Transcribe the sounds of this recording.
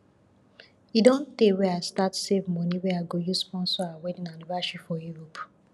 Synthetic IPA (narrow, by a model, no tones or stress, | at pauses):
idõnteweastatsevmɔ̃niweaɡojuspɔ̃nsɔawedĩnalivaʃipfɔjuɹop